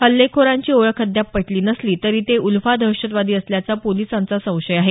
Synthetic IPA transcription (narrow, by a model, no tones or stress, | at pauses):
həlːekʰoɾaɲt͡ɕiːoɭəkʰːəd̪japːəʈʰliːnəsliːt̪əɾiːt̪eulfad̪ʱəɕət̪ʋad̪iːəsljat͡sapolisant͡sasə̃w̃ɕəjaɦe